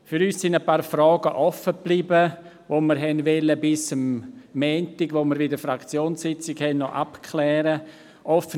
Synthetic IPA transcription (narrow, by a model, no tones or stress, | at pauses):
fyɾyːssɪndəpaːɾfɾɔːɡəʔɔfəb̥liːbə | ʋoməɾɦɛnʋɛləbɪsəmːɛːntɪɡʋoməɾvɪdəfɾakt͡sjoːnsɪt͡sɪɡhɛnnɔʔapkʰlɛːɾə | ʔɔfə